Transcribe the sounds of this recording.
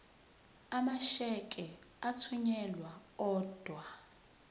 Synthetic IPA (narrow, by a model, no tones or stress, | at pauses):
amaʃɛkʼɛatʰuɲɛlwaɔːd̥ʱwa